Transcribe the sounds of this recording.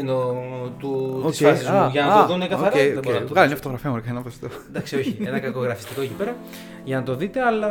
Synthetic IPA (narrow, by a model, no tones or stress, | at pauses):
not̪uoiscseɐsizɐuʝɐnɐt̪oðunekɐoɐɾejoebeɣɐlɐmɲafot̪oɣɾɐfiɐmoɾkɐenɐpɐst̪o | nd̪ɐksio̞çienɐkɐko̞ɣɾɐfist̪ikoecipe̞ɾɐ | ʝɐnɐt̪o̞ðit̪e̞ɐlɐ